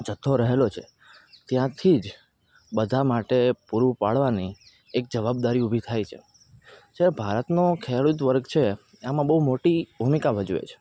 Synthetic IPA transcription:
d͡ʒət̪ʰːoɾəɦelot͡ʃʰe | t̪jãt̪ʰid͡ʒ | bəd̪ʱamaʈepuɾupaɭʋani | ek̚d͡ʒəʋab̚d̪aɾiubʱit̪ʰajt͡ʃʰe | d͡ʒaɾebʱaɾət̪nokʰeɭut̪ʋəɾɡt͡ʃʰe | amãbəɦumoʈibʱumikabʱəd͡ʒuḛt͡ʃʰe̥

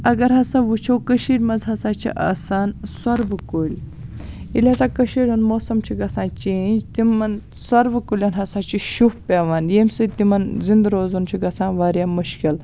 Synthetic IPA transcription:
ɐɡɐɾɦɐsaʋut͡ʃʰoːkɐʃiːɾʲmɐzɦɐsaːt͡ʃʰḭʔa̰saːnswɐɾʋkolʲ | ilʲɦɐsãːkɐʃiːɾʲunmoːsɐmt͡ʃʰiɡɐsãːt͡ʃẽnd͡ʒt̪imɐn | sɐɾʋkulʲjanɦɐsaːt͡ʃiʃufpʲeʋaːnjemʲsɨt̪imɐnzind̪ɾoːzunt͡ʃʰiɡɐsãːnʋaːɾjaːmuʃkil

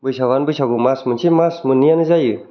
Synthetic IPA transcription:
bɯjsʰawanbɯjsʰakumasmɯnt͡ʃʰimasmɯnːijanɯzajɯ

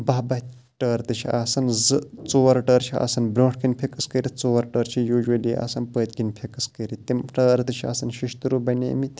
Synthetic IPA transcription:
bɐɦbɐt̪ | ʈəːɾt̪ɨt͡ʃʰiaːsɐnzɨt͡soːʋɐɾʈəːɾt͡ʃʰia̰ːsɐnbɾʲõːʈʰkinpʲʰekɐskəɾit͡soːɐɾʈəːɾt͡ʃʰijuːʒwɐliːa̰ːsɐnpəːt̪ʲɡinpʲʰekɐskəɾit̪imʈəːɾt̪ɨt͡ʃʰia̰ːsɐnʃiʃt̪ɨɾubɐnḛːmit̪

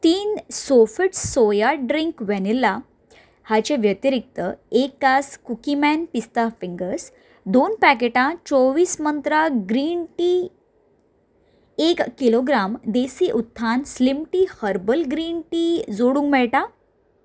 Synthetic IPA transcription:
t̪iːnsofəʈsojaɖɾiŋkʋɛnilːa | hat͡ɕeʋjət̪iɾik̚t̪əekːaskukimɛnpist̪afiŋɡəɾs | d̪onpæk̬eʈãt͡ɕoʋiːsmənt̪ɾaɡɾiːɳʈi | ekːiloɡɾamd̪esiːʔut̪ʰːanslimʈiːhəɾbəlɡɾiːɳʈiːd͡zoɽũŋɡmɛɭʈa

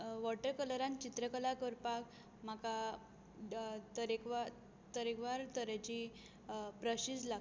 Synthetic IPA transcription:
ʋɔʈəɾkələɾãnt͡ɕit̪ɾəkəlakəɾpak | m̤aka | t̪əɾekʋa | t̪əɾekʋaɾt̪əɾet͡ɕi | pɾəɕisla

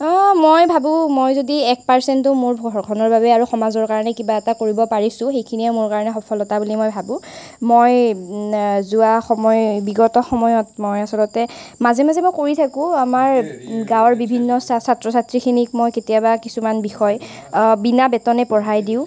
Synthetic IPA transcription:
ɔmojbʱabʊ̃mojzodiɛk̚paɹsɛntʊmoɹbʱɡʰɔnɔɹbabɛaɹuxɔmazɔɹkaɹɔnɛkibaɛtakoɹibɔpaɹisʊ̃xejkʰiniɛmoɹkaɹɔnɛxɔpʰɔlɔtabulimojbʱabʊ̃ | moj | zuaxɔmɔjbiɡɔtɔxɔmɔjɔtmojasɔlɔtɛ | mazɛmazɛmojkoɹitʰakʊ̃amaɹɡawɔɹbibʱinːɔssatɹɔsatɹikʰinik̚mojketijabakisumanbixɔj | binabɛtɔnɛpɔɹajdiʊ̃

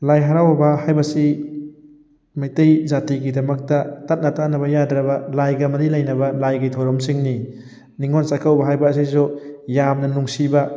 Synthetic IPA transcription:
lajɦaɾawɐbɐhajbɐsi | majtejzatiɡidɐmɐk̚tɐtat̚nɐtanɐβɐjadɾɐbɐlajɡɐmɐɾilɐjnɐbɐlajɡajtʰɔɾɔmsiŋni | niŋonsakʰawbɐɦajbɐːs̬izujamnɐnuŋsibɐ

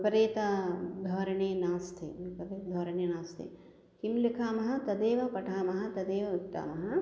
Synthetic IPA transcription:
pɐɾeːt̪ɐd̪ʱɐːɾɐɳeːnaːst̪ʰḛipɐɾeːt̪d̪ʱɐːɾɐɳeːnaːst̪ʰḛ | kimlikʰaːmɐɦɐ̆t̪ɐd̪eːʋɐpɐʈʰaːmɐɦɐ̆t̪ɐd̪eːʋɐutt̪ːa̰ːmɐɦɐ

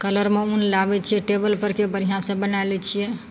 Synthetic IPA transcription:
kələɾmeunlabɛt͡ʃʰiɛʈebəlpəɾkebəɾiɦãsə̃bənalɛt͡ʃʰijɛ

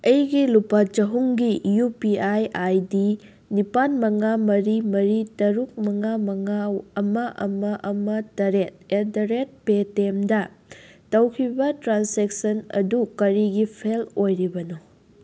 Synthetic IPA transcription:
ɐjɡilupɐt͡ʃɐɦuŋɡijupiajajdi | nipanmɐŋamɐɾimɐɾitɐɾuk̚mɐŋamɐŋaɐmɐʔɐmɐʔɐmɐtɐɾet̚edɐɾet̚petemdɐtɐwkʰibɐtɾansek̚sɐnɐ̰dukɐɾiɡipʰelojɾibɐno

